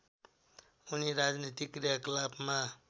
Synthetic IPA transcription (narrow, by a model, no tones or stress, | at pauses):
uniɾad͡znit̪ikɾijaklabma